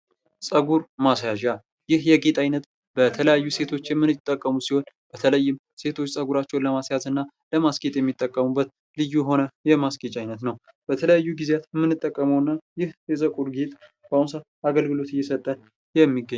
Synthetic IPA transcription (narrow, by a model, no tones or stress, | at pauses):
sʼəɡuɾmasjaʒa | jɪhjɛɡet̪ʼajnət̪ | b̥ət̪ʰələjajːuse̞t̪ʰo̞t͡ʃːjɛmːɨnɨt̪ʼːəkʼːəmusiho̞n | b̥ət̪ʰələjːɪm | se̞t̪ʰo̞t͡ʃːsʼəɡuɾat͡ʃːɛwnləmasjazɨnːa | ləmasket̪ʼjɛmːit̪ʼːəkʼːəmubːət̪ | lɨjːujɦo̞nəjɛmasket͡ʃʼajnət̪nəw | b̥ət̪ʰələjajːuɡizejat̪jɛmːɨnːɨt̪ʼːəkʼːəməwɨnːajɪhjɛzəkʼuɾɡet̪ʼ | b̥awnsa | aɡəlɡɨlo̞t̪ɨjːɛsət̪ʼːən | jɛmːiɡːəɲ